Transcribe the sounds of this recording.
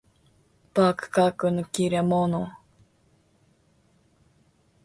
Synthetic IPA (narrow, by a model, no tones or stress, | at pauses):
paːkɯ̥kaːkɯnokiɾemono